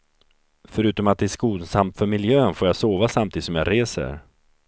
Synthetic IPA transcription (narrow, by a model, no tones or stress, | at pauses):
fœɾʉ̟ːt̪ɔmat̪̚d̪ɛæʂkuːlsamt̪fœɾmɪljøːnfoːɾjasoːvasamt̪ʰiːd̪ɪsɔmjaːɾeːsə̰ɾ